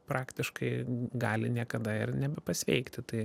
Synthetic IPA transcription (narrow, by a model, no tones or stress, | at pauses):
pɾɑːkt̪ʲɪʃkɐɪɡɑːlʲɪnʲiɛkɐd̪ɐɪɾnʲɛbʲɛpɐsʲʋʲɛ̰ɪkt̪ʲɪt̪ɐɪ